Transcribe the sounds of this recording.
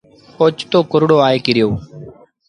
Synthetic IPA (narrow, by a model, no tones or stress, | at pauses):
oːt͡ʃt̪oːkʊɾɽoːaːeːkɪɾɪjoː